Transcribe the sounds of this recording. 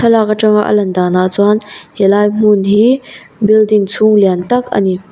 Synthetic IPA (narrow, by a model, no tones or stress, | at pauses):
tʰɐlakaʈ͡ʂɐŋa̰ʔə̰lɐndaːnaʔt͡sɔnhelajm̥unɦi | bildiŋt͡sʰuŋliant̪ɐk̚ɐ̰ni